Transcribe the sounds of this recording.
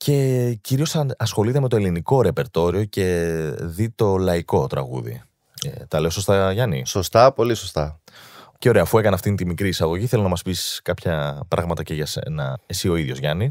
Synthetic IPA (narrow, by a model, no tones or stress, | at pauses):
cʰe̞ciɾio̞sɐɐsxo̞lit̪eme̞t̪oeliniko̞ɾe̞pe̞ɾt̪o̞ɾio̞ce̞ðit̪o̞lɐiko̞t̪ɾɐ̰ɣṵðḭ | t̪ɐle̞oso̞st̪ɐʝɐnḭsost̪ɐpo̞lisost̪ɐceo̞ɾe̞ɐːfue̞kɐnɐft̪int̪imikɾiːsɐɣo̞ʝiθelonɐmɐspisskɐpçɐpɾɐ̰ɣmɐt̪ɐceʝɐsḛnɐesio̞iðʝo̞zʝɐni